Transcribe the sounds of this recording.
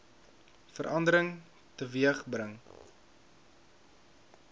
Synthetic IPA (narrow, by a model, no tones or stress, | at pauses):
fəɾʔɐndəɾəŋ | təviəχbrəŋ